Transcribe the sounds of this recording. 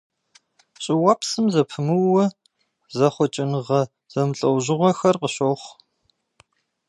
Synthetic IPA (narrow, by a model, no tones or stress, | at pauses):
ɕʼɪwɐpsɨmzɐpʰɨmɨwːɐ | zɐχʷɔt͡ʃʼɪnɨʁɐ | z̥ɐmɨɬʼɐwʑɪʁʷɔxɐrqəɕoːχʷ